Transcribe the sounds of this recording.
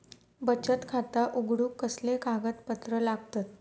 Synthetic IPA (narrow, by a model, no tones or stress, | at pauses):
bət͡ɕət̪kʰat̪aʔuɡɽuːkːəslekaɡət̪pət̪ɾəlaɡt̪at̪̚